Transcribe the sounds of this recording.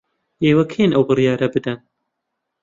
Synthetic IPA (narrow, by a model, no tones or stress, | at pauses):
jeːwɐkʰeːnʔɛwbɨrijɑːɾɛbɨd̪ɛn